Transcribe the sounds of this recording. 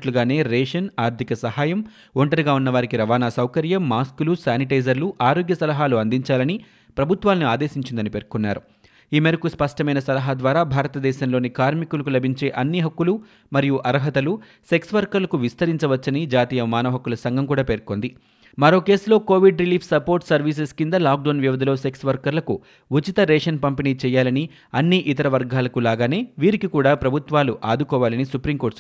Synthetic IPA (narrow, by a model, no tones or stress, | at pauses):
ʈluɡaːne̞ːɾeːʂɐnaːɾt̪ʰikɐsɐhaːjɐm | oɳʈɐɾiɡaːunːɐʋaːɾikiɾɐʋaːnaːsɐwkɐɾjɐmːaːskulusaːniʈɐjd͡ʒɐɾluʔaːɾo̞ːɡjɐsɐlɐɦaːluɐnd̪iɲt͡ʃaːlɐni | pɾɐbʱut̪ʋaːlniaːd̪e̞ːʃiɲt͡ʃind̪ɐnipe̞ːɾkunːa̰ːɾu | iːmeɾɐkuspɐʂʈɐmɐjnɐsɐlɐɦaːd̪ʋaːɾaːbʱaːɾɐt̪ɐd̪ɛːʃɐmlo̞ːnikaːɾmikulɐkulɐbʱiɲt͡ʃe̞ːʔɐnːiɦɐkːulu | mɐɾijuʔɐɾɐɦɐt̪ɐlu | se̞ksʋɐɾkɐɾlɐkuʋist̪ɐɾiɲt͡ʃɐʋɐt͡ʃːɐnid͡ʒaːt̪iːjɐmaːnɐːɦɐkːulɐsɐŋɡʱɐmkuːɽaːpe̞ːɾko̞ːnd̪i | mɐɾo̞ːke̞ːslo̞ːko̞ːʋiɖɾiliːpʰsɐpo̞ːɾʈsɐɾʋiːs̬eskind̪ɐlaːk̚ɖɐwnʋjiʋɐd̪ʱɐlo̞ːse̞ksʋɐɾkɐɾlɐku | ut͡ʃit̪ɐɾɛːʂɐnpɐmpiniːt͡ʃɛːjaːlɐni | ɐnːiʔit̪ɐɾɐʋɐɾɡaːlɐkulaːɡaːne̞ːʋiːɾikikuːɽaːpɾɐbʱut̪ʋaːluʔaːd̪ukɔːʋaːlɐnisupɾimko̞ːʈs